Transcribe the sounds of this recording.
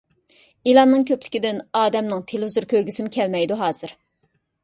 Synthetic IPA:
ilˠɑmːɨŋkʲʰøplɪ̥kʲid̪ɪnɑːd̪ɛmnɨŋt̪ʰeluzuɾkʲøɾɡʲysɪmɪkʲʰɛlmɛjd̪uɦɑːz̥ɨɾ

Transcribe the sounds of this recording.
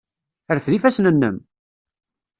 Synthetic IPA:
əɾθlifæsnənːə̰m

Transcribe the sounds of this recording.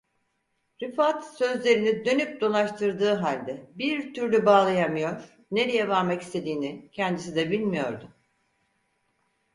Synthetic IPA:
ɾifat̪sø̞zlʲe̞ɾinid̪ø̞nyp̚d̪o̞lˠaʃt̪ʰɯɾd̪ɯːɦalʲd̪ɛbiɾt̪ʰyɾlʲybaːlˠajamɯjo̞ɾ̥ | ne̞ɾijɛvaɾmakist̪ʰe̞d̪iːnicʰɛnd̪isid̪ɛbilʲmijo̞̰ɾd̪ʊ

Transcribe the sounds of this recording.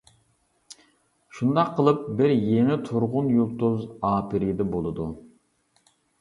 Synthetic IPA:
ʃund̪ɑqʰːəlˠɨp̚bɪɾjeŋɪt̪ʰuɾʁʊnjulˠt̪uzɑːpɪɾɪjd̪ɛbolˠɨd̪u

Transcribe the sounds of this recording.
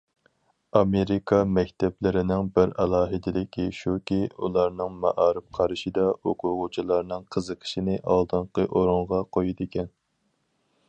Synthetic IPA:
ɑmeɾikʰɑmɛkʲt̪ʰɛplɪɾɪnɪŋbɪɾɛlˠɑːɦɪd̪ɪlɪkʲʰiʃukʲiṵlˠɑɾnɨŋmɑʔɑːɾɨp̚qʰɑɾɨʃid̪ɑoqʰʊɾʁʊt͡ʃʰilˠɑɾnɨŋqʰəzəqʰə̥ʃinɨʔɑ̰lˠd̪ɨɴqəʔoɾʊɴʁɑqʰojid̪ɪkʲʰɛn

